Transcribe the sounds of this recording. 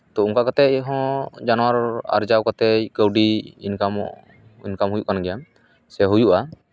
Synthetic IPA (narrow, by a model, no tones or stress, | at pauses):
t̪ɔuŋkakat̪ɛɦɔ̃d͡ʒanɔwaɾa̰ɾd͡ʒawkat̪ɛkəwɖiinkam | inkamɦujuʔkanɡɛjam | sɛɦujuʔa